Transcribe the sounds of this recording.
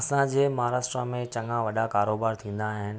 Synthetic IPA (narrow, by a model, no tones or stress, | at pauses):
sãd͡ʑeːmɐɦaːɾaːsʈɾəmẽt͡ɕɐ̃ŋɡãʋɐɗakaːɾoːbaːɾt̪ʰĩːn̆d̪aɦɪn